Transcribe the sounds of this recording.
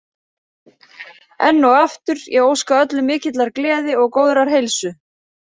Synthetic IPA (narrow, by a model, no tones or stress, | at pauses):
ɛ̰nːɔwaft̪ʏɾjɛɣoːwskaœt̪lʏmɪːcɪt̪laɾklɛːðɪɔɣkoːwðʏɾaɾ̥ɦejlsʏ